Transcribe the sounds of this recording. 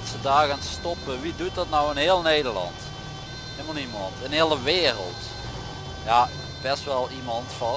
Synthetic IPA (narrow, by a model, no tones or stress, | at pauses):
tsədaːɣənstɔpəʋidut̚dɑtnɔwɪnɦɪːlˠneːdəɹlɑ̰nt | ɦeːlˠməlˠimɑntɪnɦɪːlˠəʋeːrə̰lˠt | jaː | bɛstʋɛlˠimɑntfɑ